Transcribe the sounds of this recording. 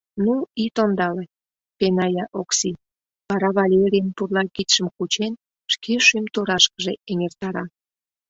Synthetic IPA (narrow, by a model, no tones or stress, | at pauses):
nuit̪ond̪ɑle | penɑjɑʔoksi | βɑɾɑβɑlʲeɾʲijənpurlɑkit̪ʃəmkut͡ɕen | ʃkʰeʃymt̪uɾɑʃkəʒeeŋert̪ɑɾɑ